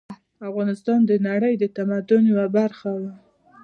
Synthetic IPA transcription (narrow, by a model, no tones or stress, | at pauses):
afɣɑnɪst̪ɑnd̪ənaɽəjd̪ət̪amad̪ʊnwabaɾxawa